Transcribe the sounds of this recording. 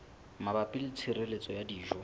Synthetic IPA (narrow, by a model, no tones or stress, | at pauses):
mabapʼɪlɪt͡sʰiɾelet͡sʼɔjadiːʒɔ